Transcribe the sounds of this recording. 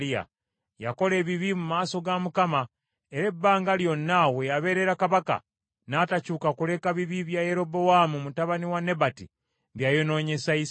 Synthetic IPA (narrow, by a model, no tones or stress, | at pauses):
ia̰ | jako̞le̞ːβiβimumaːso̞ɡamukama | e̞ɾe̞bːaːŋɡaljo̞nːawe̞jaβe̞ɾe̞ɾakaβaka̰ | naːtacuːkakule̞kaβiβiβjaje̞ɾo̞bo̞wamumutaβaniwane̞bati | βjajo̞no̞ːɲe̞sais